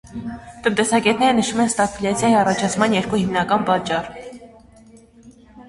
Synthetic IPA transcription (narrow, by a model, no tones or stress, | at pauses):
t̪ənt̪ɛsɑɡɛt̪nɛɾənəʃumɛnst̪ɑkʰulʲjɑt͡sʰjɑjiɑrɑt͡ʃʰɑt͡sʰmɑnjɛɾkuhimnɑkɑnpɑt͡ʃːɑr